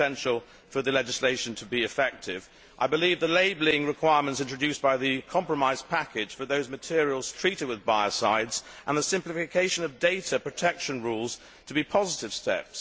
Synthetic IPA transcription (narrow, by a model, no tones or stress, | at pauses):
ɛ̃nʃl̩ˠ | fə˞ðɨlɛd͡ʒɨsleɪʃɨ̃n̩tʰəbiɨfɛk̚tʰɪv | ʔaɪbɨlivðəleɪbl̩ˠɪ̃ŋɹɨkʰw̥aɪɹmə̃ntsɪ̃nt͡ʃɹ̥ɨdʉsb̥aɪðɨkʰɑ̃mpɹəmaɪz̥pʰækɪd̥ʒ̥fə˞ðoʊzmɨtʰɪɹil̩ˠz̥tʰɹ̥iɾɨd̚wɨðbaɪɨsaɪdzʔə̃nðəsɪ̃mplɨfɨkʰeɪʃɨ̃nʌvdeɪɾəpʰɹ̥ɨtʰɛkʃɨ̃nɹulˠz̥ | tʰəbipʰɑzəɾɨv̥stɛ̰ps